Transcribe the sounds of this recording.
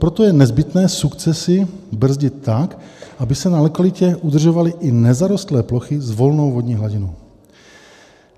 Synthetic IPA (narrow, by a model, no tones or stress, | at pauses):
pɾot̪ojɛnɛzbɪt̪nɛːsukt͡sɛsɪbr̩zɟɪt̪ːakʔabɪsɛnalɛkalɪcɛʔud̪r̩ʒovalɪʔɪnɛzaɾost̪lɛːploxɪzvo̞lnowvodɲiːɦlaɟɪnow